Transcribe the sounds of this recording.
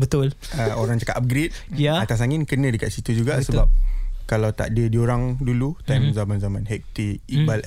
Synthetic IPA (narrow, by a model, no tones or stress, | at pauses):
bət̪ʊl | əoɾaŋt͡ʃakat̪ap̚ɡɾet̚jaat̪as̬aŋɪnkənə̃dəkaʔ̪sit̪ud͡ʒuɡasəbap̚kalawt̪a̰dədioɾaŋdulut̪ajmzamanzamãnɦɛk̚t̪iibal